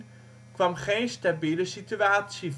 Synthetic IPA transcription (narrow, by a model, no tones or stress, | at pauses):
kʋamχeːnstabiləsityaːsiv